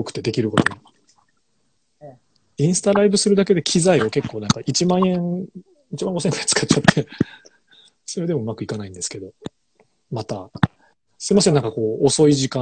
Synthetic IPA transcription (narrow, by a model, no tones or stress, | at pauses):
okɯ̟̥t̪e̞d̪e̞kʲiɾɯ̟ko̞t̪o̞ni | ĩɰ̃sɨ̥t̪aɾaibɯ̟sɨɾɯ̟d̪ake̞d̪e̞kʲʰizaio̞ke̞kːo̞ːnãŋkaʔit͡ɕimãɰ̃ẽ̞ŋ | it͡ɕibãŋɡo̞sent̪ai̥t͡sɨ̥kat͡ɕːat̪ʰːe̞ | so̞ɾe̞d̪e̞moɯmakɯ̟ikanaĩnd̪e̞sɨ̥ke̞d̪o̞ | mat̪a | sɨ̥imase̞nːaŋkako̞ːoso̞iʑikã